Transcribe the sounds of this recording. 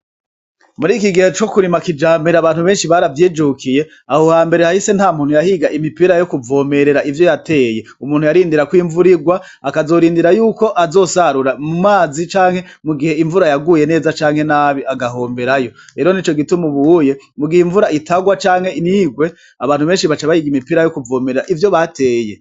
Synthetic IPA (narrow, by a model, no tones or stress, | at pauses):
muɾiːkiɡihet͡ʃo̞kuɾimakid͡ʒaːmeɾaβaːn̥uβe̞ːnʃiβaɾavjiːd͡ʒukʰije̞ | ahohaːmbe̞ɾe̞hahisen̥haːmuːn̥hujahiɡaʔimipiɾajo̞kuvo̞ːme̞ɾe̞ɾaivjo̞jatʰe̞ːje̞ | umuːn̥hujaɾiːndiɾakwiːɱvuɾiɡwaː | kazo̞ːɾiːndiɾajuːko̞ʔazo̞ːsaɾuɾamumaːzit͡ʃaːŋhe̞muɡihe̞iɱvuɾajaɡuje̞ne̞ːzat͡ʃaːŋhe̞naβiʔaɡaɦo̞ːmbe̞ɾajo̞ɾe̞ːɾo̞nit͡ʃo̞ɡitumuβuje̞muɡihiɱvuɾaitaɡwat͡ʃaːŋ̥he̞niːɡwe̞ | aβaːn̥uβe̞ːnʃiβat͡ʃaβahiɡimipiɾajo̞kuvo̞ːmeɾeɾaʔivjo̞βatʰe̞ːje̞